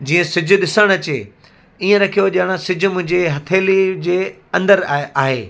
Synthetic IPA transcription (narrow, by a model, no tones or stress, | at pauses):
d͡ʑiːə̃sɪd͡ʑʱʊ̆ɗɪsəɽ̃ɐt͡ɕeː | iːə̃ɾɐkʰijoʄəɽ̃asɪd͡ʑʱʊ̆mʊ̃ɦɪ̃ɲd͡ʑeɦɐt̪ʰeːlid͡ʑeː | ɐ̃nd̪əɾaːɦeː